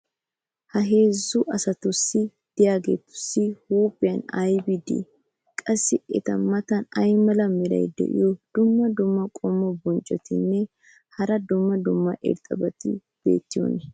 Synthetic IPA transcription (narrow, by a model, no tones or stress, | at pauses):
hɐɦe̞ːzːʊʔɐsɐt̪ʊsːɪ | d̪̥ɪjaːɡḛːt̪ːʊ̥sːɪhuːpʼːɪjɐnɐjbɪd̪ḛ | kʼɐsːɪɛt̪ɐmɐt̪ɐnɐjmɐlɐmɛɾɐ̰jd̪ɛ̰ʔɪ̰jɔd̪̥ʊmːɐd̪ʊmːɐkʼɔmːɔbɔnt͡ʃʼːɔt̪ɪnːɛ | hɐɾɐd̪ʊmːɐd̪ʊmːɐʔɛ̰ɾt̪ʼɐbɐt̪ɪ̰ | b̥ḛːt̪ːɪjo̰nɛ